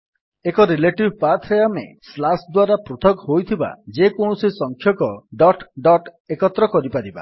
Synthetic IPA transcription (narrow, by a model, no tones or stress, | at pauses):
ekɔɾileʈibpat̪ʰɾejamḛslasd̪waɾapɾut̪ʰɔkɦojt̪ʰiba̰d͡ʒekoɳ̃ɔsisɔŋkʰjɔkɔɖɔʈɖɔʈ | ekɔt̪ɾɔkɔɾipaɾiba̰